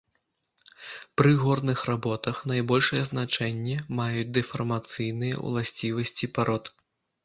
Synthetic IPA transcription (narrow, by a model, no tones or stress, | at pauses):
pɾɨɣɔrnɨxrabɔt̪ɐxnajbɔlʲʂɐjɛznat͡ʂɛnʲːɛmajut͡sʲd̪ɛfɐrmat̪sɨjnɨjɐ̰w̰lˠasʲt͡sʲivɐsʲt͡sʲipaɾɔt̪